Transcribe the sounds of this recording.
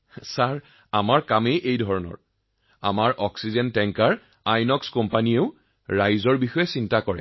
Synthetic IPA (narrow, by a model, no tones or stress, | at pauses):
saɹ | amaɹkamejʔejdʱɔɹɔnɔ̰ɹ | a̰maɹʔɔksizɛntɛŋkaɹ | ajnɔkskɔmpanieʊ | ɹajzɔɹbixɔjɛsintakɔɹɛ̰